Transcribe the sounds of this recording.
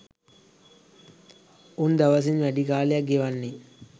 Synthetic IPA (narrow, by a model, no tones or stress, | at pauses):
und̪ɐʋɐs̬inʋɐɖikaːljɐɡeʋɐnːi